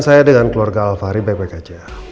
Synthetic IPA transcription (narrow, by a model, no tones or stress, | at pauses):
nsajadəŋankəluarɡaalfaɾibajbakad͡ʒa